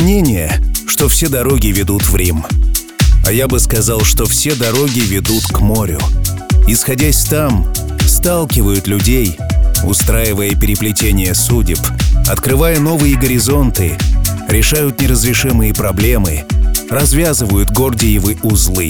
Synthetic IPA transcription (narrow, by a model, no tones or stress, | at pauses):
mnʲenʲɪjəʂt̪ofsʲed̪ɐɾo̞ɡʲɪvʲɪd̪ut̪vɾʲim | ɐ̰jabɨskɐzalˠʂt̪o̞fsʲed̪ɐɾo̞ɡʲɪvʲɪd̪ut̪kmo̞ɾʲʊ̰ɪsxɐdʲasʲt̪am | st̪alˠkʲɪvəjʊt̪lʲʊdʲej | ʊ̰st̪ɾajɪvəjəpʲɪɾʲɪplʲɪtʲenʲɪjəsudʲɪpɐ̰t̪kɾɨvajəno̞vɨjɪɡəɾʲɪzo̞nt̪ɨɾʲɪʂajʊt̪nʲɪrəzɾʲɪʂɨmɨjəpɾɐblʲe̞mɨrɐzvʲazɨvəjʊt̪ɡo̞rdʲɪjɪvɨʊzlˠɨ